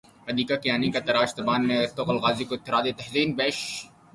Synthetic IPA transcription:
ɐd̪iːkakijaːnikat̪ɐɾaːʃt̪ɐbaːnːẽt̪oːqɐlɣaːzikoɪt̪ːɪɾaːd̪et̪ɐhziːnbeːʃ

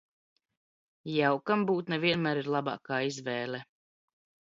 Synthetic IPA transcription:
jawkambuːt̪nɛviɛnmæːɾiɾlˠaba̰ːkaːizvɛːlɛ

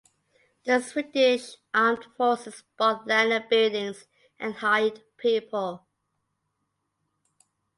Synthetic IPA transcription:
ðəswɪtɪʃʔɑmdfɔˑsɪsb̥ɔθlɛnəbɪlˠdɪ̃ŋz | ʔə̃nhaɪdpʰiˑpʰəlˠ

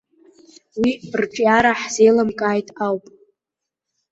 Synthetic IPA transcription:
wirʈ͡ʂʼjaɾaħzejlamkʼaːjtʼawpʼ

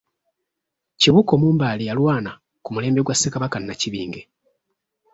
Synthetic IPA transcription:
ciβuko̞muːmbaːlijalwaːna | kumule̞ːmbe̞ɡwasːekaβakanːaciβḭːŋɡe̞

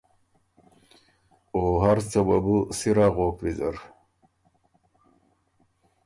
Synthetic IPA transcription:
oːɦaɾsɐba̰busiɾaɣoːkɾizɐ̰ɾ

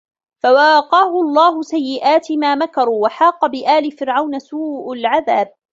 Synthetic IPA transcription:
fawɑqɑːhʊɑlˤːɑːɦʊsajːɪʔaːt̪ɪmaːmakɑɾˤuːwaħɑːqɑbɪʔaːlɪfɪɾʕawnasuːʔalʕaðaːb̚

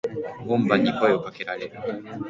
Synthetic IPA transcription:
ɡũmbaɲikojokakeɾaɾeɾɯ

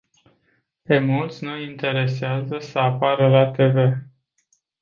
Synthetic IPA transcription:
pe̞mult̪sʲnuint̪e̞ɾe̞seazəsəapaɾəlat̪e̞ve̞

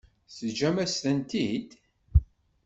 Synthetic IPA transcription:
səd͡ʒæmæst̪ənt̪id̪

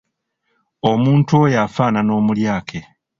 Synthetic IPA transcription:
o̞muːntuojafaːnano̞ːmuljaːkʰe

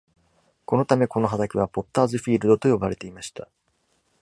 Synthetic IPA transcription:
ko̞no̞t̪ame̞ko̞no̞ɦad̪akʲiβ̞apo̞t̪ːaːzɨɸʲiːɾɯ̟d̪o̞t̪o̞jobaɾe̞t̪e̞imaɕi̥t̪a

